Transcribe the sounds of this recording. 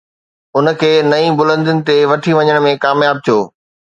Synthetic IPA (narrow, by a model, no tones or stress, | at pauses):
ʊn̆kʰeːnɐĩbʊlə̃nd̪ɪʊnɪ̆t̪eʋɐʈʰiʋɐɲəɽ̃mẽkaːmjaːb̚t̪ʰijoː